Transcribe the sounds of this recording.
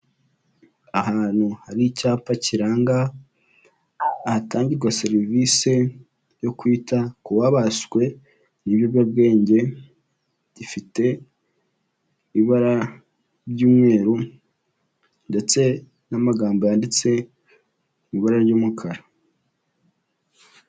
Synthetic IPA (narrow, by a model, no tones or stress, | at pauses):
ahaːn̥huhaɾicaːpaciɾaːŋɡa | hataːɲɟiɾɡwaseɾivise̞ | jo̞kwiːtakuwaβaskwe̞ | niβjobjab̚ɡe̞ːɲɟe̞ | ifite̞ | iβiβaɾa | βɟuːmŋe̞ːɾu | nde̞t͡se̞ | namaɡaːmbojandet͡se̞ | βiβaɾaɾɟoːmukʰaɾa